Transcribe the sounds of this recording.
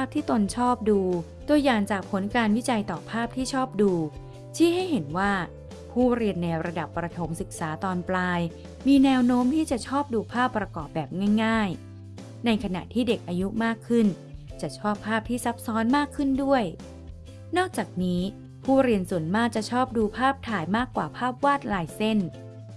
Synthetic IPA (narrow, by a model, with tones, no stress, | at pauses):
aː˥˩p̚t̪ʰiː˥˩t̪o˧nt͡ɕʰɔː˥˩p̚duː˧ | du˧əjaː˨˩ŋt͡ɕaː˨˩k̚pʰo˨˩˦nkaː˧nwi˦˥t͡ɕa˧jt̪ɔː˨˩pʰaː˥˩p̚t̪ʰiː˥˩t͡ɕʰɔː˥˩p̚duː˧ | t͡ɕʰiː˥˩ɦa˥˩jhe˩˦nwaː˥˩ | pʰuː˥˩ɾi˧ənːɛː˧wɾa˧da˨˩pːɾa˧t̪ʰo˩˦msɯ˨˩k̚saː˩˦t̪ɔː˧nplaː˧j | miː˧nɛː˦˥wnoː˦˥mt̪ʰiː˥˩t͡ɕa˨˩t͡ɕʰɔː˥˩p̚duː˧pʰaː˥˩pːɾa˧kɔː˨˩p̚bɛː˨˩p̚ŋaː˥˩jŋaː˥˩j | na˧jkʰa˧na̰˨˩t̪ʰiː˥˩de˨˩k̚ʔaː˧ju˦˥maː˥˩kʰːɯ˥˩n | t͡ɕa˨˩t͡ɕʰɔː˥˩pʰːaː˥˩p̚t̪ʰiː˥˩sa˦˥p̚sɔː˦˥nmaː˥˩kʰːɯ˥˩ndu˥˩əj | nɔː˥˩k̚t͡ɕaː˨˩k̚niː˦˥ | pʰuː˥˩ɾi˧ənsu˨˩ənmaː˥˩k̚t͡ɕa˨˩t͡ɕʰɔː˥˩p̚duː˧pʰaː˥˩p̚t̪ʰaː˨˩jmaː˥˩kːwaː˨˩pʰaː˥˩p̚waː˥˩t̪̚laː˧jse˥˩n